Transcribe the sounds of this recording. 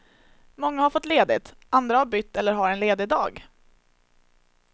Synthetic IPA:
mɔŋːahaɾfɔt̪ːleːd̪ɪt̪ | ʔand̪ɾahaɾbʏt̪ːɛlːəɾɦaɾɛnleːd̪ɪd̪ɑ̰ːɡ

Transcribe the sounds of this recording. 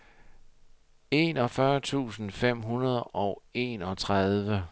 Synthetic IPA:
e̝nɒ̽fɶɐt͡sʰṵːsn̩fem̰ɦunɐð̞ˠɒʊe̝ːnɒ̽t͡sʰʁaðˠʋə

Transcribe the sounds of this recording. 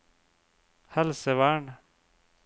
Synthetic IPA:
hɐlsewaːɳ

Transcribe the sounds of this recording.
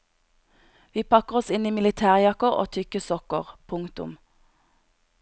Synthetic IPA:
ʋiːpʰɑkəʁɔsɪniːmɪlɪt̪ʰæːʁjɑkəʁo̰ːt̪ʰʏkəsɔkəʁpʰʊŋkt̪ʊ̰m

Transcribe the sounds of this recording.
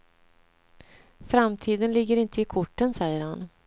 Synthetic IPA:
fɾamt̪ʰiːd̪ənlɪɡːəɾɪnt̪ʰəɪkʰʊʈːənsɛjːəɾhan

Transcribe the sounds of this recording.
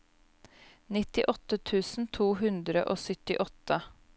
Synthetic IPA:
nɪt̪ɪʔɔt̪ət̪ʰʉːsn̩t̪ʰuːɦʉnd̪ɾəʔoːsʏt̪ɪʔɔt̪ə

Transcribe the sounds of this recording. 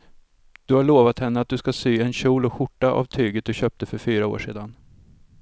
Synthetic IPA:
d̪̥ɵhaɭoːvat̪hɛnːəat̪̚d̪ɵskasyːɛnɕuːlɔɧʊʈːaʔa̰vt̪ʰyːɡət̪̚d̪ɵɕœːp̚t̪əfœɾfyːɾao̰ːʂḛːd̪an

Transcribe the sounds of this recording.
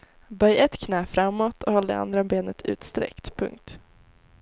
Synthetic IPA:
bœjɛt̪kʰnɛːfɾamːɔt̪ʰɔhɔlːd̪ɛ̰a̰nd̪ɾabeːnət̪ʰʉ̟̰ːt̪st̪ɾɛ̰kt̪pʰɵ̰ŋk̚t̪

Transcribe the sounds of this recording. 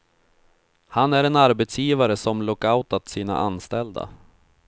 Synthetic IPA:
hanæɾɛnaɾbɛt̪sjiːvaɾəsɔmlɔkaʊt̪at̪siːna̰ʔanst̪ɛld̪a̰

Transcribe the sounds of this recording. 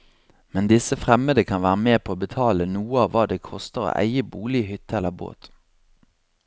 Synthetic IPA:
mɛnd̪ɪsəfʁɛməd̪əkʰɑnʋæːʁəmeːpʰoːoːbət̪ʰɑːlənuːəɑːʋʋɑːd̪eːkʰɔst̪əʁo̰ːʔæ̰ɪəbuːlɪəhʏt̪əɛləʁbo̰ːt̪

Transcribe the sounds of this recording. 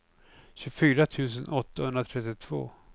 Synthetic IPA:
ɕɵfyːɾat̪ʰʉ̟ːs̬ənʔɔt̪ːahɵnd̪ɾat̪ʰɾɛt̪ːɪt̪ʰv̥o̰ː

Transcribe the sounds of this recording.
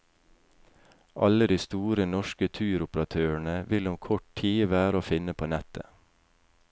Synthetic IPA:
ʔɑləd̪iːst̪uːɾənɔʃkət̪ʰʉːɾʊpəɾɑt̪ʰøːəɳəʋɪlʊmkʰɔʈtʰiːʋæːɾəoːfɪnəpʰoːnɛt̪ə̰

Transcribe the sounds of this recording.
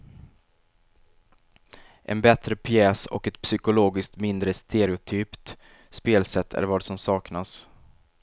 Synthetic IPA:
ʔɛ̰nbɛt̪ɾəpʰjɛːsɔ̰kɛt̪psʏkʊloːɡɪsk̚t̪mɪnd̪ɾəst̪ʰeɾɪʊt̪ʰyːpt̪ | speːlsɛt̪ʰːæ̰ɾvɑːɖsɔmsɑːknas

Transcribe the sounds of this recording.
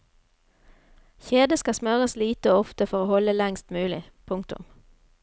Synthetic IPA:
çeːd̪əskɑsmœʁəsliːt̪əoːɔft̪əfɔʁoːhɔləlɛŋst̪mʉːlɪ | pʰʊŋk̚t̪ʊ̰m

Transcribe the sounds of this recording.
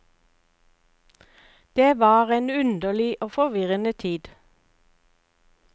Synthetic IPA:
d̪̥eːʋɑːʁeːnʉnd̪əlɪʔoːfɔʁʋɪʁənət̪ʰiːd̪

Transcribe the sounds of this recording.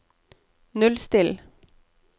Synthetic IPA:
nʉlst̪ɪl

